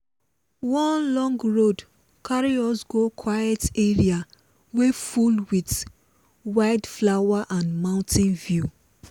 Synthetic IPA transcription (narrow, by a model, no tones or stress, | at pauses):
wɔ̃nlɔ̃ŋɡɹod | kʰaɹiɔsɡokʰwajeteɹia | wefulwit | waɪdflawaʔãnmãʊ̃ntʰɪ̃nvju